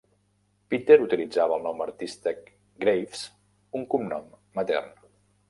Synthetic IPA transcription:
pit̪eɾut̪ilid͡zaβəːlˠnɔmərt̪ist̪ək | ɡɾejfs | uŋkumnɔmːət̪ɛ̰rn

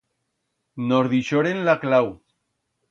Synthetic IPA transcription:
noɾðiʃoɾenlaklaw

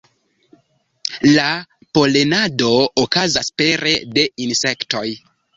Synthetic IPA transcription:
la | po̞le̞nado̞okazaspe̞ɾe̞de̞inse̞kto̞j

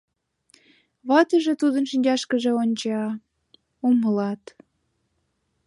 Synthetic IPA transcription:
βɑt̪əʒet̪ud̪ənʃinʲd͡ʑɑʃkəʒĕonʲt͡ɕɑ | uməlɑt̪

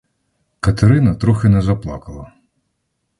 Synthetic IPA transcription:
kɐt̪eɾɪnɐt̪ɾuxɪnɛzɐplˠɑ̰kɐlˠɐ

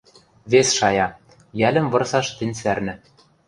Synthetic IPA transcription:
βesʃɑjɑ | jælʲɘ̆mvɤ̆rsɑʃt̪ɘ̆nʲsærnɘ̆

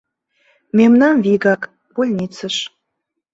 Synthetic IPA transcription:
memnɑnviɣɑk | polʲnʲit͡səʃ

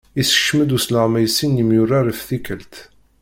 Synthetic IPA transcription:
isə̥ʃməd̪usləʁmæjsinjimjʊrːaɾifθikəlt̪

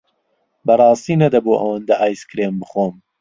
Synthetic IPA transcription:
bɐrˤɑːst̪iːnɐd̪ɐboːʔɐ̰wɐnd̪ɐʔaːjskɨɾeːmbɨχoːm

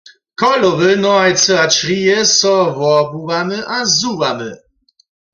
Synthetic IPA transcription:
kɔlɔvɨnɔaj̪sɨat͡ʃɾijɛsɔvɔbuvamɘʔazuvamɘ

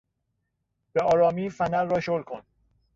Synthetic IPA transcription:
b̥eɒːɾɒːmiːfænæɾːɒːʃolkʰon

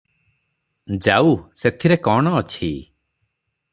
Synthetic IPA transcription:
d͡ʒawset̪ʰiɾekɔɽ̃ɔːt͡ʃʰḭ

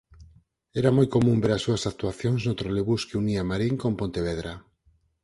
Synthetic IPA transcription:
ɛɾamojkomũmbeɾasuasak̚t̪uaθjoŋznot̪ɾoleβuskeuniamaɾiŋkompont̪eβ̞eðɾa

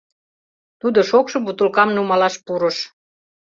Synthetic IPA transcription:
t̪ud̪oʃokʃɤbut̪ulkɑmnumɑlɑʃpuɾə̆ʃ

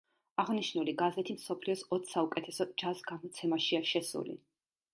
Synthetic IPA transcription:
aʁniʃnuliɡazɛt̪ʰimsɔpʰliɔsɔt̪ʰsaukʼɛt̪ʰɛsɔd͡ʒasɡamɔt̪sʰɛmaʃiaʃɛsṵlḭ

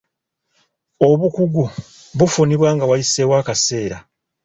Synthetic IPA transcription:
o̞βukuɡu | βufuniβwaːŋɡawajisewaːkase̞ːɾa

